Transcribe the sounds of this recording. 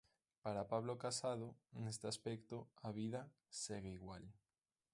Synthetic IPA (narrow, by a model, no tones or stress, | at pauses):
paɾapaβ̞lokasað̞oŋest̪easpɛkt̪oaβ̞iðɐ | seɣeiɣwal